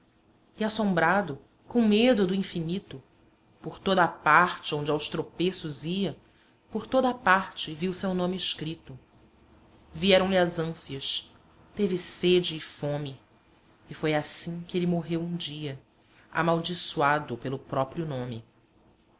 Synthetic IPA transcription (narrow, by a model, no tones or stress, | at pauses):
ɪasõmbɾad̪ʊ | kõw̃med̪ʊd̪ʊĩfinit̪ʊ | poɾt̪od̪ɐaːpaɾt͡ʃɪõd͡ʒɪawst̪ɾopesʊziɐ | poɾt̪od̪ɐaːpaɾt͡ʃɪviwsewnõmɪɪʃkɾit̪ʊ | viɛɾɐ̃w̃lɪɐzɐ̃siɐs | t̪evɪsed͡ʒɪːfõmɪ | ɪfojasĩkɪelɪmoɦewũd͡ʒiɐ | a̰mawd͡ʒisuad̪ʊpelʊpɾɔpɾjʊnõmɪ